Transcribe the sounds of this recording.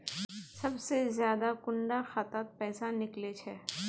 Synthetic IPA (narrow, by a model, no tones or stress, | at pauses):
sɐbsezjaːd̪akʊɳɖaxat̪aːt̪̚pɛːsanɪklet͡ʃʰɛː